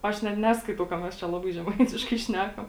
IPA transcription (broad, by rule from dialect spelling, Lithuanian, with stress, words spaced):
ˈɐʃ nʲɛt ˈnʲæːskɐɪtɐʊ kɐ mʲɛs ˈt͡ʃʲɛ ˈlˠɑːbɐɪ ʒʲɛˈmɐɪtʲɪʃkɐɪ ˈʃʲnʲæːkɐm